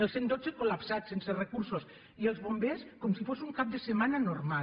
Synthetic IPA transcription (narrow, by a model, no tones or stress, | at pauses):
elˠsend̪ozekolapsatsenserekuɾsos | ielˠzβombeskomsifosuŋkap̚d̪əsəmananoɾma